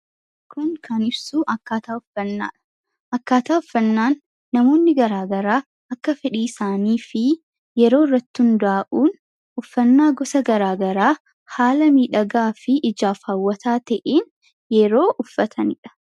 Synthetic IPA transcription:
kʰʊŋkʰɐnɪbsuːʔɐkːaːt̪aːʊfɐnːa̰ːᶑɐ̥ | ʔɐkːaːt̪aːʊfːɐnːaːnː | ɐmo̞ːnːɪɡɐɾaːɡɐɾaː | ɐkːɐfɛᶑiːɪsaːniːfɪ | jɛɾo̞ːɪrːɐt̪ːɪhʊnd̪aːʔuːn | ʊfːɐnːaːɡɔsɐɡɐɾaːɡɐɾaː | haːlɐmiːᶑɐɡaːfɪʔɪd͡ʒaːfaːwːɐt̪aːt̪ɐʔeːn | jɛɾo̞ːʔʊfːɐt̪ʰɐnɪᶑɐ̥

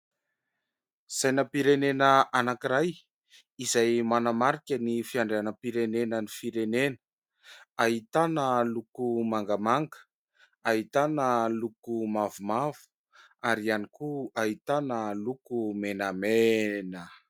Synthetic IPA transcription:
z̥ajnapiɾenenəʔanakiɾaj | izajmanamaɾikʲənifiaɳɖ͡ʐeanəpiɾenenənifiɾenenə̥ | aɦit̪anəlukumaŋɡamaŋɡə̥ | aɦit̪anəlukumavumav̥u̥ | aɾianikuaɦit̪anəlukumenamenə

